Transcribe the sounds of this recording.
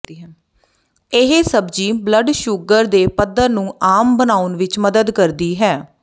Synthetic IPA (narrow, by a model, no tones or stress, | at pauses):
ɪɦesəbd͡ʒiːbləɖʃʊɡəɾd̪eːpəd̪əɾnũːʔaːmbənaːʊnʋɪt͡ʃməd̪əd̪kəɾd̪iːɦɛː